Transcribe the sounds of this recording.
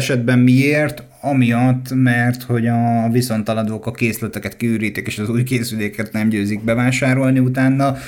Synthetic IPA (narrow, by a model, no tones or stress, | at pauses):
ɛʃɛd̪bɛmmieːrt̪ | ɒmijɒt̪ːmɛrt̪ho̞ɟɒviso̞nt̪ɒlɒd̪oːkɒkeːslɛt̪ɛkɛt̪̚kiyːɾiːt̪ikeːʃɒzuːjkeːsyleːkɛt̪nɛmɟøːziɡ̚bɛvaːʃaːɾo̞lniut̪aːnːɒ